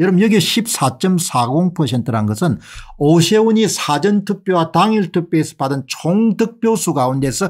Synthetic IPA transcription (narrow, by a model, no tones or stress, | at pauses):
jʌɾʌbmjʌɡeɕʰip̚s͈at͡ɕ͈ʌmsʰaɡoŋpʰʌsʰe̞ntʰɯɾanɡʌsʰɯnoɕʰewuɲisʰad͡ʑʌntʰɯk̚p͈jowataŋiɭtʰɯk̚p͈joesʰʌ̥padɯnt͡ɕʰoŋdɯk̚p͈josʰuɡaunde̞sʰʌ